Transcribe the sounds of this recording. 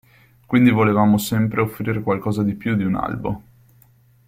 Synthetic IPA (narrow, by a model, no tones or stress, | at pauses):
kwind̪ivolevaːmosɛmpɾeofːɾiːɾekwalkɔːzad̪ipjud̪iuna̰lbo̰